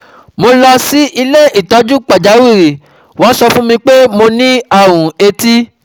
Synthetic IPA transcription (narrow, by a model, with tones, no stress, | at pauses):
mo˧la˧si˦ʔi˧le˦i˨ta˨˦d͡ʒu˦k͡pa˨d͡ʒa˨˦wi˦˨ɾi˨ | wã˨˦sɔ˧fũ˦mĩ˧k͡pe˦mo˧nĩ˦a˦˨wũ˨e˧ti˦